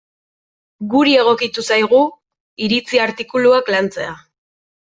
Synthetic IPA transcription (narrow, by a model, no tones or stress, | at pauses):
ɡuɾie̞ɣ̞o̞kit̪usajɣ̞u | iɾit͡siaɾt̪ikuluaklant͡se̞a